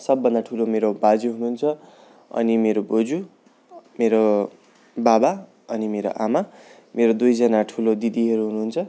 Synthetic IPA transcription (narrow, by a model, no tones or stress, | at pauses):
sʌbːʌnd̪aʈʰulomeɾobad͡ziɦunuːnt͡sʰʌ | ʌ̰nimeɾobod͡zu | meɾo | baba | ʌnimeɾo̰ʔama | meɾod̪ujd͡zʌnaʈʰulod̪id̪iɦʌɾuɦunuːnt͡sʰʌ